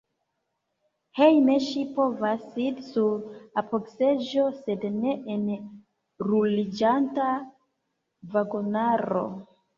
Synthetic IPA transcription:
he̞jneʃipo̞vasidsuɾapʰokse̞d͡ʒo̞se̞dne̞ʔen | ɾulid͡ʒanta | vaɡonaɾo̞̰

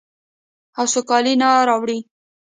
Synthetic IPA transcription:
hasʊkɑlinaɾɑwɽi

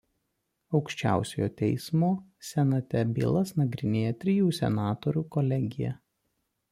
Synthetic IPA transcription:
ɒʊkʃʲt͡ʃʲæ̰ˑʊsʲejoːt̪ʲɛɪsmoːsʲɛnɐt̪ʲɛbʲɪ̰lˠɐsnɐɡɾʲɪnʲeːjɛt̪ʲɾʲɪjuːsʲɛ̰nɑːt̪ɔɾʲuːkɔlʲɛɡʲɪjɛ̰

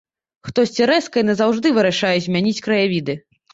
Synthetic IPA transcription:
xt̪ɔsʲt͡sʲiɾɛskɐjnɐzawʐd̪ɨvɨɾaʂajɛzʲmʲanʲit͡sʲkɾɐjavʲid̪ɨ

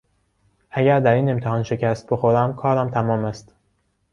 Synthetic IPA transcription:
ʔæɟæɾd̪æɾiːne̞mt̪ʰehɒːnʃe̞cʰæst̪̚be̞xoɾæmkʰɒːɾæmt̪ʰæmɒːmæst̪

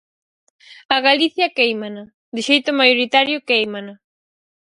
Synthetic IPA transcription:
ɐɣaliθjɐkejmana | d̪ɪʃejt̪ʊmajoɾit̪aɾjʊkejmana

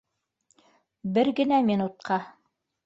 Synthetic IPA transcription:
bɘɾɡɘ̆næmʲinut̪̚qʰɑ

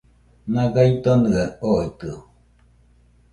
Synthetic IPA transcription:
nãɡait̪onɯaoit̪ɯ

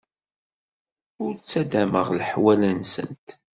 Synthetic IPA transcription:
ʊɾt͡sːæd̪æməʁlħwælənsə̰nt̪

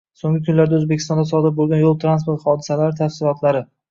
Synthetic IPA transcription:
soŋɡʲɪkʲʰʊnlaɾd̪aɵzbekʲʰɪst̪ɒnd̪asɒd̪ɪɾbolˠɡʲanjolˠt̪ɾanspoɾt̪χɒd̪ɪ̥salaɾɪt̪ʰafsɪlˠɒt̪ʰlaɾɪ

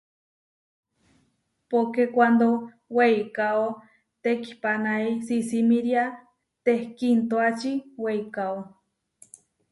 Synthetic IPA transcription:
pokekʷand̪o | weikao | t̪eki̥panaisisimiɾja | t̪ehkint̪oat͡ʃiweikao

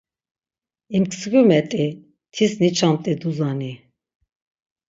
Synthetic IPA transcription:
imkʰsɡumɛt̪ʼi | t̪ʰisnit͡ʃʰamt̪ʼid̪uzani

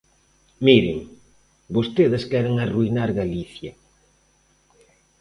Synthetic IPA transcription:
miɾɪ̰ŋ | bost̪eðɪskɛɾeŋaruinaɾɣaliθjɐ

